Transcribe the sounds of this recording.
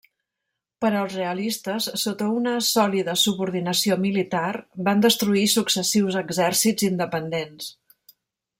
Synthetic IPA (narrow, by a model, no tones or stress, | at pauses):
pəɾəlˠzreəlist̪əsːot̪əunəsɔliðəsuβuɾðinəsiomilit̪arband̪əst̪ɾuisuksəsiwzəɡzɛrsid͡zind̪əpənd̪ens